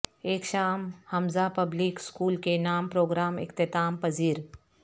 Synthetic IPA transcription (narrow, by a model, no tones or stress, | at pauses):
eːkʃaːmhɐmzapɐblikskuːlkenaːmpɾoːɡɾaːmɪ̰kt̪ɪt̪aːmpɐziːɾ